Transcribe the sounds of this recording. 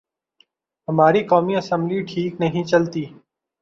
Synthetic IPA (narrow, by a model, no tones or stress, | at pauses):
ɦəmaːɾiːkoːmiːəsə̃mbliːʈʰiːknəɦĩːt͡ʃəlt̪iː